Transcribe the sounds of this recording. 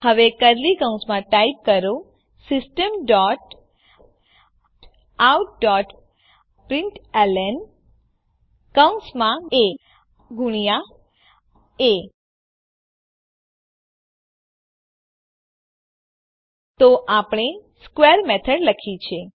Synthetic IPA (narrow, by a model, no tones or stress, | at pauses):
həʋekəɾlikə̃ũsmãʈaip̚kəɾõ | sɪsʈəmɖɔʈ | awʈ̚ɖɔʈ | pɾɪɳʈelɛn | kəw̃smãe | ɡuɳija | e | t̪oʔapɳ̃eskweəɾmɛt̪ʰəɖləkʰit͡ʃʰe